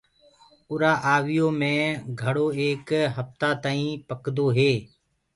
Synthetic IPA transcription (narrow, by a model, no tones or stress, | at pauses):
ʊɾaːʔaːʋɪjoːmẽːɡʱəɽoːeːkɦəft̪aːt̪aːĩːpəkd̪oːɦeː